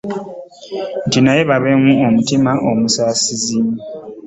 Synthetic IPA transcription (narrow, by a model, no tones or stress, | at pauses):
ntinajeβaβeŋuomutimaʔomusaːsizi